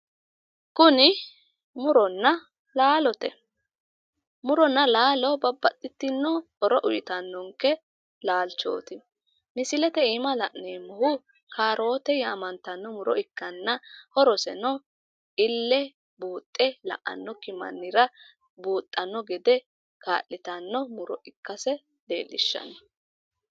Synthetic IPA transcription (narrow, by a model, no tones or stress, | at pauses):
kʊnɪ | mʊɾɔnːɐ | laːlɔt̪ɛ | mʊɾɔnːɐlaːlɔbɐbːɐt̪ʼːɪt̪ːɪnːɔhɔɾɔʔʊjɪt̪ɐnːɔŋkːɛ | laːlt͡ʃo̰ːt̪ɪ | mɪsɪlɛt̪ɛiːmɐlɐʔneːmʊhʊ | kʰaːɾʔo̞ːt̪ɛjaːmɐnt̪ɐnːɔmʊɾɔɪkːɐnːɐhɔɾɔsɛ̰nɔ | ʔɪlːɛ | buːt̪ʼːɛlɐ̰ʔɐ̰nːɔkɪmɐ̰nːɪɾɐ | buːt̪ʼːɐnːɔɡɛd̪ɛ | ka̰ːʔːɪt̪ɐnːɔmʊɾɔʔɪkːɐsɛ | d̪̥ḛːlːɪ̰ʃːɐ̰nɔ